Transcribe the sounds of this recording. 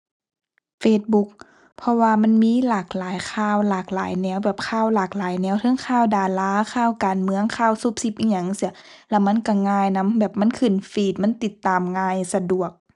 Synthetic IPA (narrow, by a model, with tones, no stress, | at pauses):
feː˧˩t̪̚bu˧˥k̚ | pʰɔ˧waː˧ma˧˥˨nmiː˧˥˨laː˨˩k̚laː˨˦jkʰaː˧˥˩wlaː˨˩k̚la̰ː˨˦jnɛː˧˩˨wbɛː˨˩p̚kʰaː˧˩wlaː˨˩k̚laː˨˦jnɛː˧˩wt̪ʰɤ˧˥˨ŋkʰaː˧˩˨wdaː˨˩laː˧˥˨kʰaː˧˥˩wkaː˨˩nmɯ˧əŋkʰaː˧˥˨wsu˧˥˦p̚si˧˥p̚ʔi˧˥ɲa˧˩ŋsi˧˩ | lɛ˧˩wma˧˥˨nka˧˩ŋaː˧˩˨jna˧˥˨mbɛː˨˩p̚ma˧˥˨nkʰɯ˧˩˨nfiː˧˩t̪̚ma˧˥˨nt̪i˧˩t̪ːaː˨˩mŋaː˧˩jsa˧du˨˩ək̚